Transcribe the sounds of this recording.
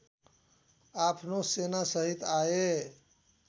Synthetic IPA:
apʰnosenasəɦit̪ae

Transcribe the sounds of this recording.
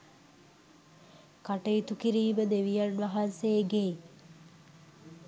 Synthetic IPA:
kaʈəjit̪ukiɾiːbəd̪eʋijanʋaɦanseːɡej

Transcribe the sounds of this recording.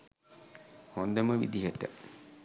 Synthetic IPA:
hond̪əməʋḭd̪iɦəʈə̰

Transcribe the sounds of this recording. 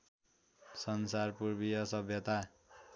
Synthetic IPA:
sʌnsarpurbijʌsʌbʱjʌt̪a

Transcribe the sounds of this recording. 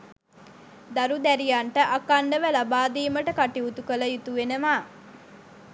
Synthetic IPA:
d̪aɾud̪æɾijaɳʈəʔakanɖəʋəlabaːd̪iːməʈəkaʈiut̪ukələjut̪uʋenəʋaː

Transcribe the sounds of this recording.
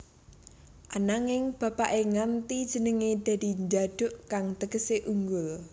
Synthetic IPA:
ʔanaŋɪŋb̥ä̤paʔeŋant̪id̥ʒ̥ə̤nəŋed̪̥a̤d̪̥i̤ɲd͡ʒaɖ̥ʊ̤ʔkaŋt̪əkəseʔuŋɡʊl

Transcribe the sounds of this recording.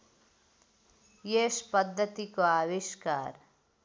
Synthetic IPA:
jeːʃpəd̪ʱːət̪ikoaːʋiʃkaːɾ

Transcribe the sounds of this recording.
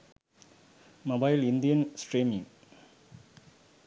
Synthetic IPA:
mobaɪlind̪ijɐnsʈɾiːmĩŋ

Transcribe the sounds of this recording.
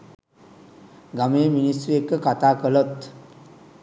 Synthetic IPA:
ɡameːminist̪ɾuekːəkat̪aːkələt̪

